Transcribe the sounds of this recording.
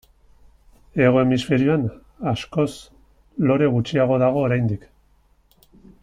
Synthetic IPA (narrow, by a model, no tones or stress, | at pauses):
e̞ɣ̞o̞e̞misfe̞ɾioan | asko̞s | lo̞ɾe̞ɣut͡ʃiaɣ̞o̞ðaɣ̞o̞ːɾajnd̪ik